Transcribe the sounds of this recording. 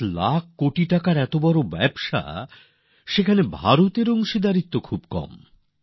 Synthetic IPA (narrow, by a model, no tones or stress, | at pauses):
lak̚ʰkoʈiʈakaɾɛt̪obɔɾobɛbʃa̰ | ʃekʰanebʱaɾot̪eɾoŋʃid̪aɾit̪ːokʰubkɔ̰m